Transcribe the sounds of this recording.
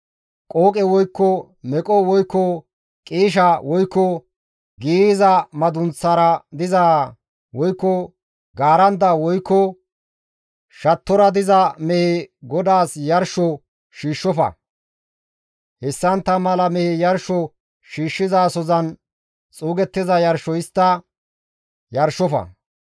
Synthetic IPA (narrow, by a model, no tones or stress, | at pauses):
kʼoːkʼɛwɔjkːɔ | mɛkʼɔwɔjkːɔ | kʼiːʃ̬ɐwɔjkːɔ | ɡiːzɐmɐd̪ʊnt͡sːɐɾɐd̪ɪzaː | wɔjkːɔ | ɡaːɾɐnd̪ɐwɔjkːɔ | ʃɐt̪ːɔɾɐd̪ɪzɐmɛhɛɡɔd̪aːsjɐɾʃɔ | ʃiːʃːɔfɐ̰ | hɛsːɐnt̪ːɐmɐlɐmɛhɛjɐɾʃɔ | ʃiːʃːɪzaːsɔzɐn | t͡sʼuːɡɛt̪ːɪzɐjɐɾʃɔjɪst̪ːɐ | jɐɾʃɔfɐ̰